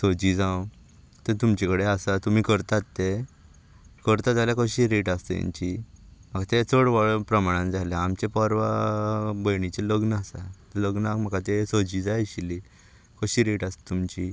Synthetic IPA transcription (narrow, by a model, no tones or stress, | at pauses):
sod͡ʑid͡zãw | t̪ət̪umt͡ɕekəɽeasat̪um̤iːkəɾt̪at̪ːe | kəɾt̪ad͡zaljakəɕiɾeʈast̪ə̰ja̰ɲt͡ɕim̤əkat̪et͡soɽʋəɭpɾəmaɽ̃ãnd͡zaleamt͡ɕepɔɾʋa | bəjɳit͡ɕeləɡnasat̪ləɡnakm̤əkat̪esod͡ʑid͡zaɕili | kəɕiːɾeʈast̪ə̥t̪umt͡ɕi